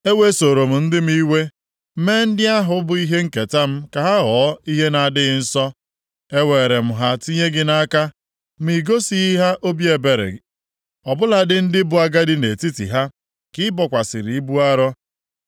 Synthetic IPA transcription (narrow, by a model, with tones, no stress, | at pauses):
e˦we˦˨so˨ɾo˨m̩˨n̩˦dɪ˦m̩˦i˦we˦ | meː˦n̩˦dɪ˦a˦ɦʊ˨˦bʊ˨i˦ɦe˦ŋ̩˦ke˨ta˦m̩˦ka˨ɦa˦ɦɔː˨˦i˦ɦe˦na˨dɪ˦ɣɪ˦n̩˦sɔ˦ | e˦we˨ɾe˨m̩˨ɦa˦ti˦ɲe˦ɡɪ˦na˦ka˦ | m̩˦i˨ɡo˦si˦ɦa˦ʔo˦bi˦e˨be˨ɾḛ˨ | ɔ˨bʊ˦la˨dɪ˦n̩˦dɪ˦bʊ˨a˨ɡa˦dɪ˦ne˨ti˦tḭ˨ɦa˦ | kɪ˦bɔ˨kʷa˨sɪ˨ɾi˨i˦bu˦a˦ɾɔ˦